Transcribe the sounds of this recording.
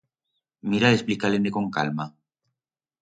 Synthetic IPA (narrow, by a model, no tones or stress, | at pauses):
miɾalesplikaleneko̞ŋka̰lma